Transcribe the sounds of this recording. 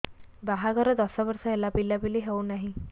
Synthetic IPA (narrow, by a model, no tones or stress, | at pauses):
baɦaɡʱɔɾɔd̪ɔsabəɾsɔelapilːabiliɦewnaɦi